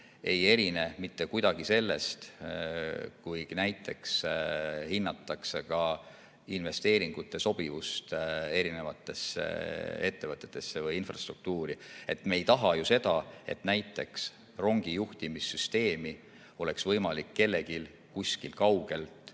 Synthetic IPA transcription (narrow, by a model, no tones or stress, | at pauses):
e̞je̞ɾine̞mit̪ːe̞kujd̪̥ɑɡ̥ise̞lːe̞̰st̪ | kujɡ̥næjt̪ːˑe̞ks | hinːɑt̪ːˑɑksekɑ | inve̞st̪e̞ːɾiŋɡ̥ut̪ːˑe̞so̞b̥ivust̪e̞ɾine̞vɑt̪ːˑe̞sːḛe̞t̪ːe̞vɤt̪ːˑe̞t̪ːˑe̞sːevɤjinfrɑst̪ruk̚t̪uːɾie̞t̪me̞jt̪ɑɦɑjuse̞d̪̥ɑe̞̰t̪næjt̪ˑːe̞ks | ro̞ŋɡ̥ijuht̪imisːyst̪e̞ːmi | o̞le̞ksvɤ̞jmɑlikːe̞lːe̞ɡil | kusʲkilkɑwɡ̥e̞lt̪ˑ